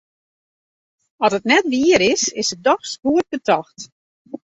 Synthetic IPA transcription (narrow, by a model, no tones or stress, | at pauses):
ɔtətnɛtʋiəɾɪsɪsət̚dɔxskuət̚bətʰɔxt